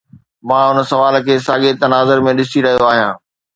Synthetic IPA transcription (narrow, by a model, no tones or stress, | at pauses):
mãːʊnsɐʋaːlkʰeːsaːɠɪt̪ɐnaːzəɾmẽɗɪsiɾɐɦijoaːɦijã̰ː